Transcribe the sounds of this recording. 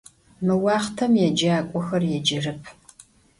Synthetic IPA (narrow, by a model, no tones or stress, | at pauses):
mɨwɑːχtʰɐmjɛd͡ʒɐaːkʷʼɔxɐrjɛd͡ʒɪrɨpʰ